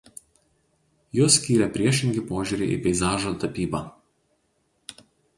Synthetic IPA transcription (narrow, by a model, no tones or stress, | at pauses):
juːsʲkʲiːɾʲɛpʲɾʲiɛʃʲɪŋʲɡʲɪpoːʒʲʊːɾʲɪʔḭpʲɛɪzɑːʒoːt̪ɐpʲiːbɑː